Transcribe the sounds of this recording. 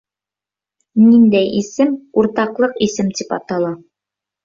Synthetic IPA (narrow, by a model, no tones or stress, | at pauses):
nind̪æjʔisɘmuɾt̪ɑqlˠɤqisɘmt̪ipɑ̰t̪ɑlˠɑ